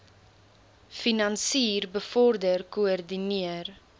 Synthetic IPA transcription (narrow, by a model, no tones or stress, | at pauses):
finɐnsiːrbəfɔrdərkuərdiniər